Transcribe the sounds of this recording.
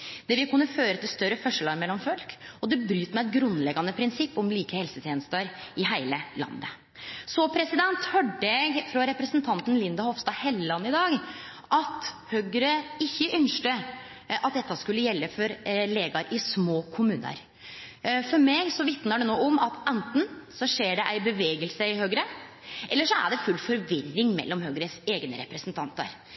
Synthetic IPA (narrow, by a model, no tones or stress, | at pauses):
d̪̥ɛʋɪkʰʊnːəføːɾət̪ʰɪlst̪œɾəfœʂəlɑɾmɛlːɔmfœlkɔd̪ɛbɾyːt̪mæɪɛt̪̚ɡɾʉnːlɛɡɑnəpʰɾɪnsɪpːɔmliːkəhɛlsət̪ʰjeːnəst̪əɾɪɦæɪləlɑ̰nːə̰ | sɔpʰɾɛsɪd̪ɛnt̪hœɖəæɡfɾɑɾɛpɾəsənt̪ʰɑnt̪nlɪnd̪ɑhɔʋst̪ɑːhɛllɑnːɪd̪ɑːɡ | ʔɑt̪høːɡəɾəɪçːəʔʏnʂʈə | ʔɑt̪̚d̪ɛt̪ːəskʉlːəjɛlːəfɔɾleːɡ̪ɑɾɪsmoːkʰʊmʉːnə̰ɾ | fɔɾmeːɡsɔʋɪt̪nəɖɛnoːɔmɑt̪ɛnt̪n̩sɔʂeːɖɛʔæɪbəʋeːɡəlsəɪɦøːɡɾə | ʔɛlːəʂɔæ̰ɖɛfʉlːfɔɾʋɪrːɪŋmɛ̰lːɔmhøːɡɾəseːɡnə̰ɾɛ̰pɾəsnt̪ʰɑnt̪ə̰ɾ